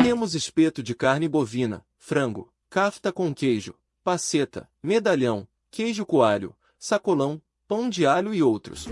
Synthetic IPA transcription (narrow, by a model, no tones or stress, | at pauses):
t̪ẽmʊzɪspet̪ʊd͡ʒɪkaɾnɪbovĩnɐ̰ | fɾɐ̃ŋɡʊ | kaft̪ɐkõkejʒʊ | paset̪ɐ̰ | med̪aʎɐ̃w̃ | kejʒʊkuaʎʊ̰ | sakolɐ̃w̃ | pɐ̃w̃d͡ʒiaʎʊɪowt̪ɾʊ̰s